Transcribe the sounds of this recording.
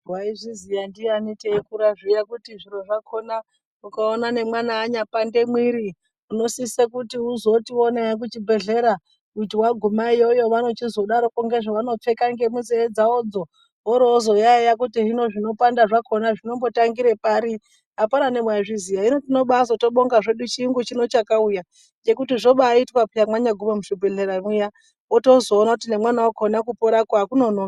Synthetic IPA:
rwaiʐizijandianitekuɾaʐijakutiʐiɾo̞ʐakʰo̞na | ukaonanemwanaːɲapande̞mwiɾi | uno̞sisekutiuzo̞tio̞naak̬ut͡ʃibʱe̞ɮe̞ɾa | kut̬iwaɡʱumaijo̞jo̞ʋano̞t͡ʃizo̞ɗaɾo̞koŋɡe̞ʐaʋano̞p͡fe̞kaŋɡe̞muzeed͡zaod͡zo̞ | ɦoɾozo̞jaijak̬utiɦino̞ʐino̞pandaʐako̞naʐino̞mbo̞taŋɡiɾe̞paɾi | apaɾane̞mwajaʐizijainotino̞ɓasoto̞ɓoŋɡaʐe̞ɗut͡ʃiŋɡut͡ʃino̞t͡ʃakauja | d͡ʒe̞kutiʐo̞ɓaitwapijamwaɲaɡʱumamuʐibʱe̞ɮe̞ɾamija | woto̞zo̞ːnakut̬inemwanawokonakupoɾakwaakuno̞noa

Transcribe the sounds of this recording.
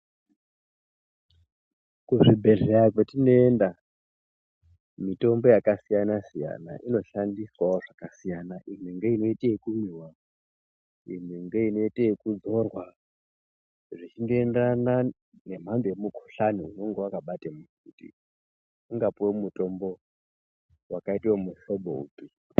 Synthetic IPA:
kuʐibʱe̞ɮeakwetino̞enda | mito̞mbo̞jakasijanasija̰na̰ʔino̞ʃandiswaoʐakasijanaʔim̤wiŋɡeino̞iteːkumiwa | im̤wiŋɡeino̞itekud͡zo̞rwa | ʐit͡ʃindoendana | ne̞m̤ambejemukʰu̥ɬaniuno̞ŋɡe̞wakaɓatemu | utḭ | uŋɡapuwemuto̞mbo̞ | wakaitiwomuʃo̞ɓo̰ṵpi

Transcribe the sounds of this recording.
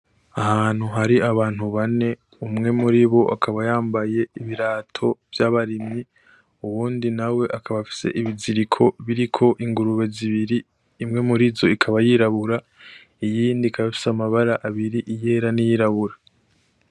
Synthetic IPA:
ahaːn̥huɦaɾiaβaːn̥huβane̞ | umŋe̞muɾiβo̞ʔa̰kʰaβajaːmbaje̞iβiɾaːtʰo̞vjaβaɾimi | uwuːndinawe̞ʔakaβafi̥se̞̰ʔiβiziɾikʰo̞βiɾikʰo̞ʔiŋɡuɾuβe̞ziβiɾiː | mŋe̞muɾizo̞ikʰaβajiɾaβuɾa | ijiːndikʰaβafi̥samaβaɾaʔaβiɾiʔije̞ːɾanijiɾaβuɾa

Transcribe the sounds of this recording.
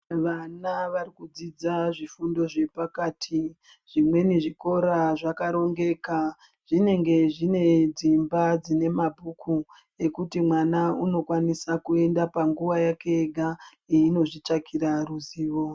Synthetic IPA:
ʋanaʋarikud͡zid͡zaʐifundo̞ʐe̞pakatʰi | ʐ̥imwe̞niʐiko̞ɾaʐakaɾo̞ŋɡe̞ka | ʐ̥ine̞ŋɡe̞ʐine̞d͡zimbad͡zine̞mabʱukʰu | e̞kutimwanauno̞kwanisakue̞ndapaŋɡuʋajakeːɡʱa | iːno̞ʐit͡ʃakiɾaruziːʋo̞

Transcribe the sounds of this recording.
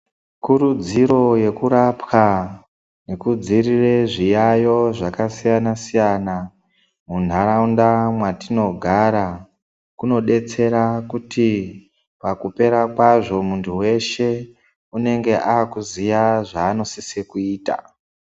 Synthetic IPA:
kuɾud͡ziɾo̞je̞kuɾapka | ne̞kud͡zirire̞ʐijajo̞ʐakasijanasijana | mun̤aɾaundamwatino̞ɡʱaɾa | kuno̞ɗe̞t͡se̞ɾakuti | pakupe̞ɾakwaʐo̞muntʰuwe̞ʃe̞ | une̞ŋɡe̞ʔaːkuzijaʐaːno̞sisekuiːta̰

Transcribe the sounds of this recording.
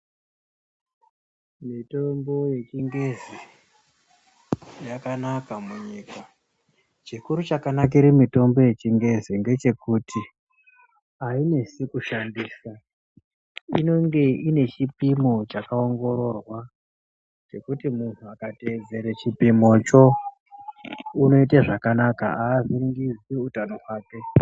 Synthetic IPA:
mito̞mbo̞je̞t͡ʃiŋɡe̞zi | jakanakamuɲika | t͡ʃikuɾut͡ʃakanak̬iɾimito̞mbo̞je̞t͡ʃiŋɡe̞ziŋɡe̞t͡ʃe̞kutʰi | aine̞sikuʃandiːsa | ino̞ŋɡe̞ine̞t͡ʃipimo̞t͡ʃakao̞ŋɡo̞ɾo̞rwa | t͡ʃe̞kutimun̤uakated͡ze̞ɾet͡ʃipimo̞t͡ʃo̞ | uno̞it̬eʐakanaka̰aːziriŋɡiziutano̞ɦwaːke̞

